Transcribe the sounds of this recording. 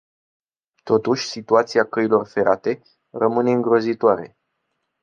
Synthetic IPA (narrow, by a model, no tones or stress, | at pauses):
t̪o̞t̪uʃʲsit̪uat̪siakəilo̞rfe̞ɾat̪e̞ | rəmɨne̞ɨŋɡɾo̞zit̪oaɾe̞̰